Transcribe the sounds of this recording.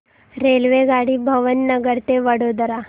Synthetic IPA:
ɾelʋeɡaɽiːbʱɐʋənːɐɡəɾt̪eʋɐɽod̪əɾa

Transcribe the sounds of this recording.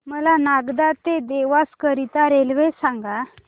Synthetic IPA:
məlanaɡd̪at̪ed̪eʋaskəɾit̪aɾelʋesaŋɡa

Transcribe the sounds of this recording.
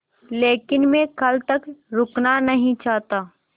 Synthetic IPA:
leːkɪnmẽkɐlt̪ɐkɾʊknanɐɦĩt͡ʃaːɦt̪aː

